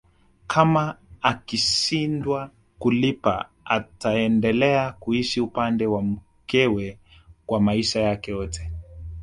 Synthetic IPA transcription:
kʰamaakiʃindwa | kulipa̰ | a̰taɛndɛlɛakuiʃiupandɛwam̩ | kɛwɛ | kwamaiʃajakɛjɔtɛ̥

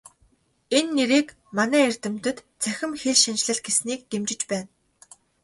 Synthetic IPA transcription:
enːeɾiːk | manæːer̥ʲt̪ɘ̆mt̪ɵ̆t̪ | t͡sʰæxʲɪ̆mxeɮʃant͡ɕɮɘ̆ɮɡesniːk̚t̪emt͡ɕɪ̆t͡ɕpæːn

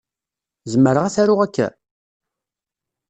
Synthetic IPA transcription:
zəmːəɾəʁæθæɾʊʁækːæ̰

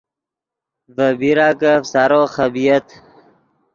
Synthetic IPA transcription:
vəbiɾakəfsaɾoːχəbijət̪

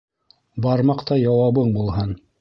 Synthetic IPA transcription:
bɑɾmɑqt̪ɑjɑwɑβɤɴbulˠɦɤn

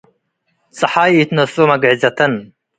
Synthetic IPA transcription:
t͡sʼɐħaːjit̪nɐsomɐɡʕizɐt̪ʰɐn

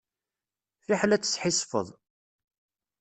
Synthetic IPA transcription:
fiħlæt͡sːə̥sħisˤfə̰ðˤ

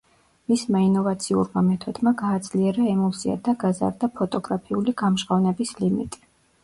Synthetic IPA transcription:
mismainɔvat̪sʰiṵɾmamɛt̪ʰwɛd̪maɡaːd̪z̥liɛɾaɛmɔt̪sʰia̰d̪aɡaza̰ɾd̪apʰɔt̪ʼɔɡɾapʰiuliɡ̥amʃʁavnɛbislimḭt̪ʼi̥

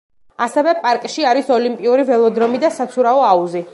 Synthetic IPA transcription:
asɛvɛpʼaɾkʼʃiaɾisɔlimpʼiuɾivɛlˠɔd̪ɾɔmid̪asat̪sʰuɾaɔauzi

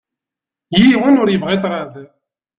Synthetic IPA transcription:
jiwənʊɾjəvʁit̪ˤɾaðə

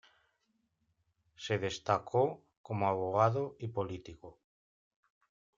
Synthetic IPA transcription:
seð̞est̪akʰo | komoaβ̞oɣ̞aðoipolit̪iko

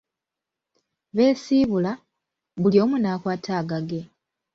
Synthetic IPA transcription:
βe̞ːsiːβula | βuljo̞ːmunaːkwaːtʰaːɡaɡe̞

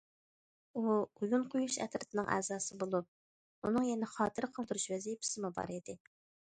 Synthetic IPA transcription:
uujunqʰojuʃɛ̰t̪ɾɪt̪ʰɪnɨŋʔɛ̰ːzɑːsɨbolˠup̚ | unɨŋjɛnɛχɑːt̪ʰɨɾqʰəlˠd̪uɾuʃvɛzijɪpʰɪ̥sɪmubɑ̰ɾid̪ɪ

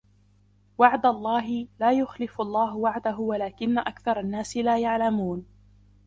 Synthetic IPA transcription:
waʕd̪alˤːɑːɦɪlaːjʊxlɪfʔlˤːɑːɦʊwaʕd̪aɦʊwalaːkɪnːaʔakθɑɾˤɑnːaːsɪlaːjaʕlamuːn

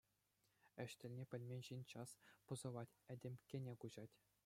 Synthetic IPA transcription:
ɘ̆ɕt̪ʲɘ̆lʲnʲepʲɘ̆lʲmʲenʲɕinʲt͡ɕɑspɤ̆zɤ̆ʋɑtʲɘ̆dʲĕmʲkʲenʲekuʑɑtʲ

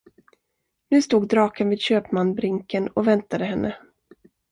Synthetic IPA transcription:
nʉ̟ːst̪uːɡd̪ɾɑːkənviːd̪ɕøːpmanbɾɪŋkənɔvɛnt̪ad̪əɦɛnːʔə

